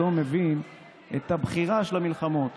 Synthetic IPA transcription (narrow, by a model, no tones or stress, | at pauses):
omevin | et̪habχiʁaʃelamilχamo̞t̪